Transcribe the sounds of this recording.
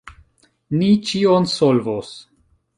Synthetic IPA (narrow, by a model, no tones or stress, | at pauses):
nit͡ʃionsolvos